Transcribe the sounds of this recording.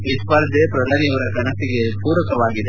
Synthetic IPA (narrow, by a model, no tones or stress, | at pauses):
ʋispɐɾd̪ʱepɾɐd̪ʱaːnijɐʋɐɾɐɡɐnɐsiɡepuːɾɐkɐʋaːɡid̪e